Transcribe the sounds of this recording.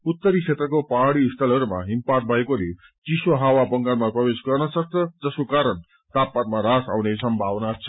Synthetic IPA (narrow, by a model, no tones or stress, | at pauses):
ut̪ːʌɾisʰet̪rʌkopaɦɽiːst̪ʰʌlɦʌɾuma̰ɦimpat̪̚bʱʌekole | t͡siswoɦawabʌŋɡanmaprʌbesɡʌrnʌsʌk̚t͡sʰʌd͡zʌsokaɾʌn | t̪apːat̪maɾasawnesʌmbʱawnat͡sʰʌ̥